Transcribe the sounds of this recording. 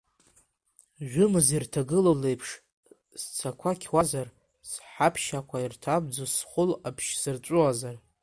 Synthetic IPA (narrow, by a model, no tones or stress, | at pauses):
ʒʷᶣʊmɨzirtʰaɡɨlole̞jpʰʂ | st͡sʰakʷʰakʲʰwazar | sħapʰʃakʷʰairtʰab̚d͡zosχʷʊlapʰʃzɨrt͡sʷʼʊazar